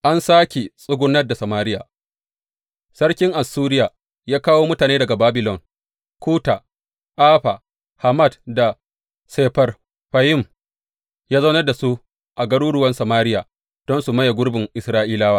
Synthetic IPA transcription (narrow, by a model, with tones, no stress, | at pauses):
ʔa˦nsaː˦kʲe˨sʼʊ˦ɡʷʊ˦nːɐ˦rda˨sɐ˨maː˦ɾɪ˦jaː˨ | sɐ˦ɽkʲɪ˦ŋʔa˨sːuː˦ɾɪ˦jaː˨ | jaː˦kaː˦woː˦mʊ˦taː˨neː˦dɐ˨ɡa˨baː˦bɪ˨lɔ˨ŋ | kʷuː˦ta˨ | ʔaː˦ɸa˨ | ha˨ma˦˨dda˨ | seː˨˦ɸɐ˦r | ɸa˨jɪ˦m | jaː˦zɐ˦nɐ˦rda˨su˦ | ʔa˨ɡɐ˦ɽuː˦ɽʊ˦wɐ˦nsa˨maː˦ɾɪ˦jaː˨ | d̥ɔ˦nsu˨mɐ˦ja˨ɡʷʊ˦ɽbɪ˨ŋʔɪ˨sɾaː˦ʔiː˦laː˦waː˦